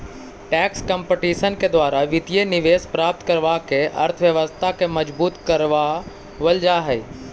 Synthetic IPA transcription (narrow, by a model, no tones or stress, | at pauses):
ʈɛːkskə̃mpeʈiːʃənked̪waːɾaʋɪt̪ijenɪʋeːspɾaːp̚t̪kɐɾʋakeʔɐ̰ɾt̪ʰʋjɐʋəst̪ʰakemɐd͡ʒbuːt̪kɐɾʋa | ʋəld͡ʒaɦɛ